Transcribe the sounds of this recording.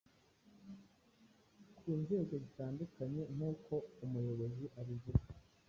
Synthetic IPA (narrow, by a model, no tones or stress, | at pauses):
kʰuːnze̞ːko̞zitaːndukaɲe̞n̥uːko̞umujo̞βo̞ziʔaɾivuɡa